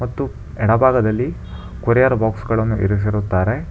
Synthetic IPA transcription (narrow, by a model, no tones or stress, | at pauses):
mɐt̪ːu | ɛɽɐbʱaːɡɐd̪ɐlːi | kuɾɛjaɾbaːksɡɐɭɐnːuiɾis̬iɾut̪ːaːɾe